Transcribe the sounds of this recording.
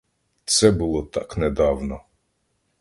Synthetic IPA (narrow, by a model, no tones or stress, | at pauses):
t̪sɛbɨlˠɔt̪aknɛd̪awnɔ